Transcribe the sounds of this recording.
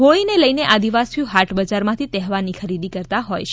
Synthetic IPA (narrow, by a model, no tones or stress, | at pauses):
ɦoɭineləjneʔad̪iʋasiuɦaʈʰbəd͡ʒaɾmãt̪ʰit̪ɛɦʋanikʰəɾid̪ikəɾt̪aɦojt͡ʃ